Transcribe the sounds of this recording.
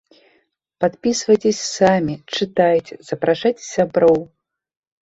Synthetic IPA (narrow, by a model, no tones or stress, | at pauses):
pat̪pʲisvɐjt͡sʲesʲsamʲit͡ʂɨt̪ajt͡sʲɛz̥ɐpɾaʂat͡sʲsʲabɾɔw